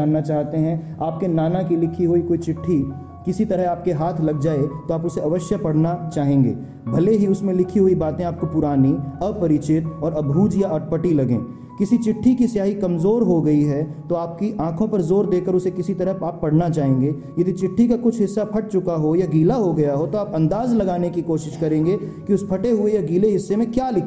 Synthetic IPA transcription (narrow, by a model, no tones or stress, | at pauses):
aːnːat͡ʃaːɦt̪eɦɛ̃ | aːp̚kenaːnakilɪkʰiɦoikoːit͡ʃɪʈʰːi | kɪsit̪ɐɾəɦaːp̚keɦaːt̪ʰlɐɡ̚d͡ʒaːet̪oaːpʊseɐʋəʃjəpɐɽnat͡ʃaːɦẽːŋɡḛː | bʱɐleɦiʊsmẽlɪkʰiɦoibaːt̪ẽaːp̚kopʊɾaːniɐpɐɾit͡ʃɪt̪ɔːɾɐbʱuːd͡ʒjaɐʈ̚pəʈilɐɡḛ̃ː | kɪsit͡ʃɪʈʰːikisɪjaːɦikɐmzoːɾɦoɡɐiɦɛt̪oaːp̚kiʔãːkʰõpɐɾzoːɾd̪eːkəɾʊsekɪsit̪ɐɾəɦaːpːɐɽ̤nat͡ʃaːɦẽːŋ̆ɡeː | jɐd̪ʱit͡ʃɪʈʰːikakʊt͡ʃʰɦɪsːapʰɐʈ̚t͡ʃʊkaɦojaɡiːlaɦoɡɐjaɦot̪oaːpɐ̃nd̪aːzlɐɡaːnekikoːʃɪʃkɐɾẽːŋɡe | kiʊspʰɐʈeɦʊejaɡiːleɦɪsːemẽkjaːlɪkʰ